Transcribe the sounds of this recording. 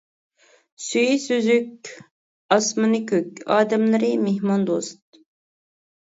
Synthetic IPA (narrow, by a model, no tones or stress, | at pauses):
syjisyzyk̚ʲ | ɑsmɨnɨkʲʰøkʲɑːd̪ɛmlˠɨɾɨmeɦmɑnd̪ost̪̚